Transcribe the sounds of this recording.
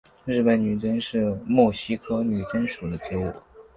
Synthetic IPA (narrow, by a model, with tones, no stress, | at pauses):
ɻɻ̩˥˩pə˧˩nny˨˩t͡sə˥nʂɻ̩˥˧mɔ˥˩ʊɕi˥kʰɤ˥ny˨˩t͡ɕɛ˥nʂu˨˩d̪ə˦t͡ɕɛ˧˥ṵ˥˩